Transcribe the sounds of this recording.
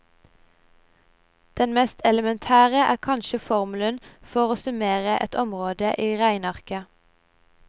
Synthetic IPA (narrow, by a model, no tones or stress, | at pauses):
d̪̥ɛnmɛst̪ʰɛləmɛnt̪ʰæːʁəʔæːʁkʰɑnʃəfɔʁmʉlənfɔʁoːsʉmeːʁəʔɛ̰t̪ɔmʁoːd̪əʔiːʁæɪnɑʁkə